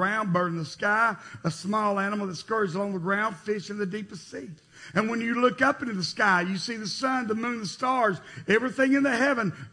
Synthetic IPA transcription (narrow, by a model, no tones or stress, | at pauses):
ãʊ̃nbɜ̃˞ñn̩ðəskaɪəsmɔlˠænəm̩l̩ˠðətskɜ˞zəlɔ̃ŋðəɡɹãʊ̃nd̥fɪʃɨ̃nðɨdipɨstsi | ɨ̃nwə̃njɨlʊkʌpɪ̃ntɨðɨskaɪjɨsiðɨsʌ̃nðəmʉ̃nðəstɑɹzɛvɹiθɪ̃ŋɨ̃nðɨhɛvɨ̃n